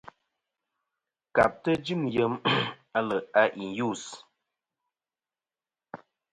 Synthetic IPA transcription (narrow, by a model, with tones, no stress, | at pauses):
ka˨p̚tə˦d͡ʒi˦˨mjə˨˦ma˦lə˨a˦ʔi˨nju˦˨s